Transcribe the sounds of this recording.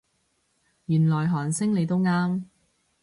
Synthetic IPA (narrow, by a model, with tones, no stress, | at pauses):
jyː˨˩nlɔː˨˩jɦɔː˨˩nsɪ˥ŋle˨˧jt̪̬o˥wŋaː˥m